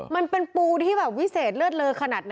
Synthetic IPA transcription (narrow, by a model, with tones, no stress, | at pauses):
ma˧npe˧npuː˧t̪ʰiː˥˩bɛː˨˩p̚wi˦˥seː˨˩t̪̚lɯ˥˩ət̪̚lɤː˧jkʰa˧naː˨˩t̪̚na˦